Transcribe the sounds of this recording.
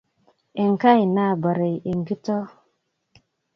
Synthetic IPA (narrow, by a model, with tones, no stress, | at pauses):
e˨ŋ˨ka˦˨ji˨na˦˨ba˨ɾe˨je˨ŋ˨ɡi˦to˦